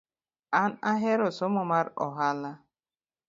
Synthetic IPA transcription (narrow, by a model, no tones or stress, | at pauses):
anaɦeɾʊsʊmʊmaɾɔ̰ɦala